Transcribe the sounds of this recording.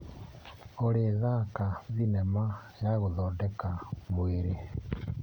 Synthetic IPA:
oɾeðakaðinɛmajaɣoðɔdɛkamweɾe

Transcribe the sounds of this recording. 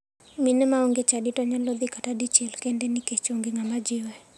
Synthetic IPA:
minɛmaoŋɡet͡ʃaditɔɲalɔd̪ikatadit͡ʃɛlkɛndɛniket͡ʃoŋɡeŋamad͡ʒɪwɛ

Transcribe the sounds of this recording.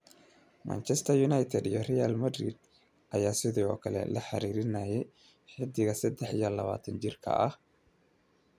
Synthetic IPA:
ma̰nt͡ʃɛst̪ʰɐjʊnajt̪ʰɛd̪ijɔrɛja̰lmɐd̪ɾḭd̪̚ | ʔɐjaːsɪðiɔːkʰɐlɛ̰lɐħɑɾiːɾɪnaːjɛj | ħɪd̪ɪɣɐsɐd̪ɛħijɐlɐβa̰ːt̪ʰɐnt͡ʃɪrkʰɐ̰ʔɐh

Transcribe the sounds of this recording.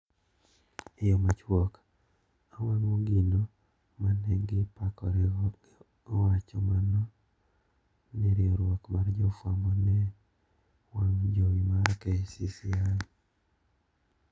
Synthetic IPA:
ɪjɔmat͡ʃwɔk | awaŋoɡinɔ | manɛŋɡɪpakɔɾɛɔ | wat͡ʃɔmanɔ | nɪɾɪɔɾwɔkmard͡ʒɔfwamɔnɛ | waŋd͡ʒowimaɾkɛsisian

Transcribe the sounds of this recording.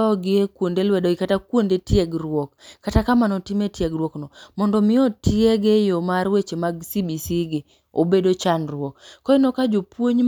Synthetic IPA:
ɔɡɪekwondelwɛdɔɡɪkatakwondetjeɡɾwɔkːatakamanɔtimetjeɡrwɔknɔmɔndɔmɪɔtieɡejomaɾwet͡ʃemaɡsibisiɡɪ | obedot͡ʃanrwɔkːɔɪnɔkad͡ʒopwoɲ

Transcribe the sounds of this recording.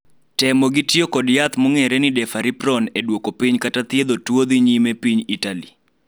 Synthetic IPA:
tɛmoɡitjokɔdjat̪mɔŋɛɾɛnɪdɛfaɾipɾɔnedwokopiɲkatat̪jed̪otwod̪iɲimepiɲitalḭ

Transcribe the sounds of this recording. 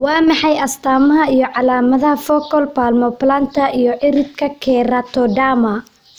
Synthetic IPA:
wɑːmɑħɑjɐst̪ʰaːmɐɦɐijɔʕɑlaːmɐðɐhɐfɔkɔlpaːlmɔplant̪ʰɐʔijɔʕɪɾɪb̚kʰɐkʰɛːɾɐt̪ʰɔɖaːmɐ

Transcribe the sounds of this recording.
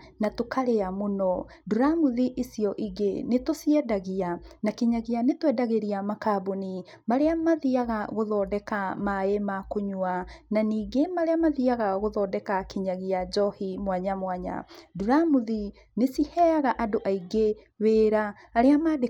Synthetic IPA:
natokaɾeamonɔ | duɾamuðiʔisijɔʔiɡenetosiɛdaɣianakeɲaɣianetwɛdaɣeɾiamakaboni | maɾeamaðiaɣaɣoðɔːdɛkamaemakoɲuananiːɡemaɾeamaðiaɣaɣoðɔːdɛkakeɲaɣiad͡ʒɔhimwaɲamwaɲa̰duɾamuði | nesihɛaɣaʔadoʔaiɡe | weːɾaː | ɾeamaːde

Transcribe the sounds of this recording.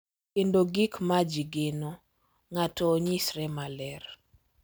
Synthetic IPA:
kendoɡikmad͡ʒiɡenɔ | ŋatɔɲisɾɛmalɛr

